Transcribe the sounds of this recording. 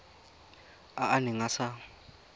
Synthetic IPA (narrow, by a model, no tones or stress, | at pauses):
aʔanɪŋasa